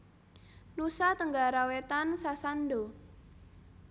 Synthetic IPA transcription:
nusat̪əŋɡaɾawet̪ansasando

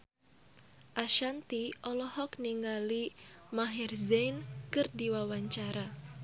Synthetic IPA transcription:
ʔaʃant̪iʔɔlɔhɔkniŋɡalimaɦirzɛnkɨrdiwawaɲt͡ʃaɾa

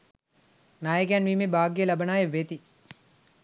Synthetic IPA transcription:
naːjəkjanʋiːmebʱaːɡijəlɐbənaːjeʋet̪i

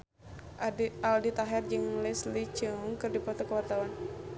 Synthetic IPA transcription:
aldit̪aɦɛrd͡ʒɨŋlɛslit͡ʃəŋkɨrdipɔt̪ɔkəwat̪awan

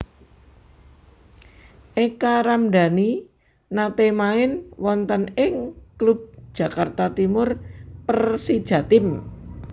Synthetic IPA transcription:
ʔekaɾamɖa̤ni | nat̪emaɪnwɔnt̪ənɪŋklub̥̚d̥ʒ̥ä̤kart̪at̪imʊrpərsid̥ʒ̥ä̤t̪ɪm

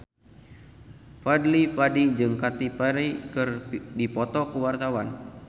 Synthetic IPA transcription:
fadlipadid͡ʒɨŋkat̪ipaɾikɨrdipɔt̪ɔkuwart̪awan

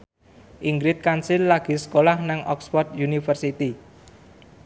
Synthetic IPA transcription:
ʔiŋɡɾɪt̪̚kansilːaɡ̥i̤sə̥kolahnaŋʔɔkspɔrt̪junifərsit̪i

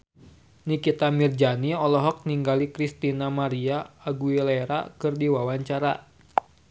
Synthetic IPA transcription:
nikit̪amird͡ʒaniɔlɔɦɔk̚niŋɡalikɾist̪inamaɾiaːɡuileɾa̰kɨrdiwawaɲt͡ʃaɾa

